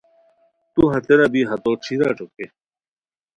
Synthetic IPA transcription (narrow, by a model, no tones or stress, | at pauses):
t̪uɦɐt̪eɾɐbiɦɐt̪oʈ͡ʂʰiɾaʈ͡ʂoke